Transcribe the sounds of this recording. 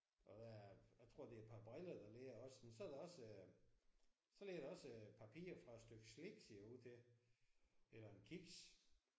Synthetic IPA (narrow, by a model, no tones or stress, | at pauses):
ʔɒ̽d̥æjaɪt͡sʰʁo̝̰d̥e̝æɐpʰɑ̈b̥ʁɛlɐd̥ɑ̈leɡɐɒ̽smensɒæɐd̥eɒ̽s | sɒ̽leɡɐɾ̥eɒ̽səpʰæpʰḭːɐfʁɑ̈sd̥øɡ̥sleɡ̥seɐ̰juð̰ˠt͡sʰe̝ | elɐenkʰiɡ̥s